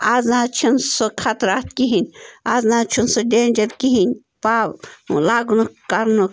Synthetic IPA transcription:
aːznãːt͡ʃʰɐnsokʰat̪ɾaːt̪̚kiɦinʲaːznãːt͡ʃʰunsoɖeːnʲd͡ʒɐɾkiɦinʲ | paːlaːɡunukaɾnu

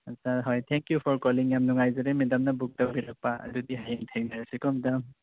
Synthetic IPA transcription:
asʰaɦɔjtʰɛŋkjupʰɔɹkɔliŋjamnɔŋajzɔɾɛmɛdamnabuk̚tawbiɾak̚paa̰dudiɦajŋtʰɛŋnaɹasikɔmɛdam

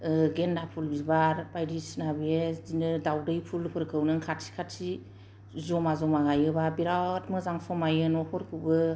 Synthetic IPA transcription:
ɡendapʰulbibaɾpajdisnabiezinɯdawdɯjpʰulhɔɾkʰɯwnɯŋkʰatsʰi̥kʰat̚si | zɔmazɔmaɡajɯbabiɾawtmɯzaŋpʰɔmajɯnɔhɔɾkʰɯwbɯ

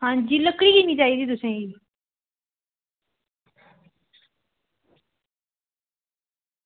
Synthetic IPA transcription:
hãːɲd͡ʒiːləkɽiːkinĩːd͡ʒaːiːd̪iːt̪̬ʊsẽːɡiː

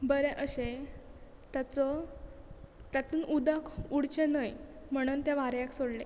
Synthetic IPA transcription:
bəɾeʔəɕe | t̪at͡sɔ | t̪at̪uːnud̪akʰuɽt͡ɕenəj | m̤əɽ̃uːnt̪eʋaɾjaksoɽle

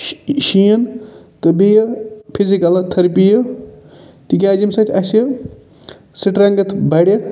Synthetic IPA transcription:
ʃijɐn | t̪ɨbejɐpʰizikɐlt̪ʰɐɾpijɐ | t̪ik̬ʲaːd͡ʒimsɐt̪ʰʲɐsjə | siʈɾɐŋɡɐt̪ʰbɐɽʲɐ

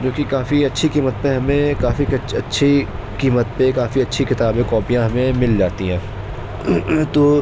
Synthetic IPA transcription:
d͡ʒõːkikaːfiɐtːʃʰikiːmət̪̚pẽɦɐmẽkaːfiɐtːʃʰikiːmət̪̚pekaːfiɐtːʃʰikɪt̪aːbẽkɔːpijãɦɐmẽmɪld͡ʒaːt̪iɦɛ̃ː | t̪oː

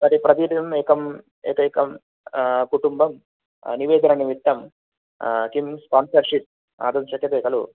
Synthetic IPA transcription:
mɐɾipɾɐt̪iʈimeːkɐm | ɛ̰ːkɐːkɐm | kuʈumbɐm | niʋeːd̪ɐnɐniʋit̪ːɐm | kimspaːnsɐɾʃip̚ | a̰ːd̪unt͡ʃɐkjɐt̪eːkɐlṵ

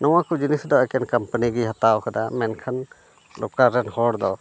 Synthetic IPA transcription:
nɔwakud͡ʒinisd̪ɔɛkɛnkampaniɡiɦat̪aʔɔkad̪amɛnkʰan | lokaɾɛnhɔɽd̪ɔ

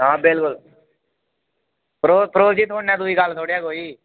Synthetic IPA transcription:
ɦãːbɪlkʊl | pɾoːpɾoːd͡ʒit̪ʊɳnɛ̃ːd̪ʊikaːlt̪ʰoːɽjaːkoːiː

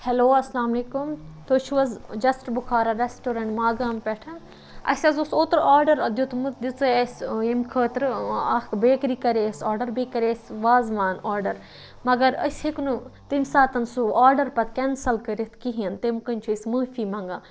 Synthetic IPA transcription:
hɛloːɐslaːmleːkumt̪oːt͡ʃʰuʋɐzd͡ʒɐsʈɾbuxʰaːɾɐɾesʈoːɾɐɳʈmaːɡaːmpɛʈʰɐn | ɐ̰sʲɐzusoːt̪ɾaːɾɖɐɾɐd̪jut̪ʰmut̪d̪it͡sɨɐsemkʰəːt̪ɾɐbeːkɾiːkɐɾesaːɾɖɐɾbekɐɾesʲʋaːzʋaːnaːɾɖɐɾ | mɐɡɐɾɐ̰sʲhiknut̪imsaːt̪ɐnsuaːɾɖɐɾpɐt̪kɛnsɐlkɐɾit̪ʰkiɦiɐnt̪emkɐnʲt͡ʃʰuismuːfimɐ̃ŋɡaː

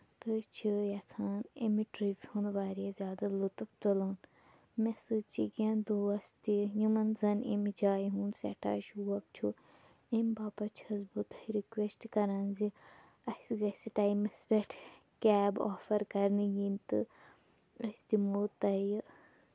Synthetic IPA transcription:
t̪ɨt͡ʃʰijɐt͡sʰaːnḛmiʈɾipʲhũːnʋaːɾijazʲjaːd̪alut̪ɐpt̪ulɐːn | mesɨt͡ʃiɡẽnd̪uːɐst̪ijumɐnzɐnemid͡ʒaːjɦũːnsḛʈʰa̰ːʃuɐp̚t͡ʃʰu | emʲbaːpɐt͡ʃʰiɐzbut̪ɐhiɾikwesʈkɐɾanzi | ɐsɡɐsiʈaːimɐspeʈʰ | kʲɛːboːfɐɾkɐɾnɨɡint̪ɨ | ɐst̪imut̪ɐj

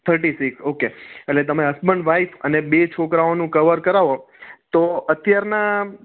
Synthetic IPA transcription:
t̪ʰəɾʈisiksokeelet̪əmeɦəsbəɳɖʋaifʰənebet͡ʃʰokɾaonũkəʋəɾkəɾaʋo | t̪oət̪jaɾna

